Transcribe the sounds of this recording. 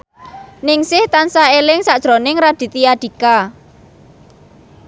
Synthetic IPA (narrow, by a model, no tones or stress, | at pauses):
nɪŋsɪht̪ansaelɪŋsad̥ʒ̥ɾonɪŋɾad̪̥i̤t̪ijad̥i̤ka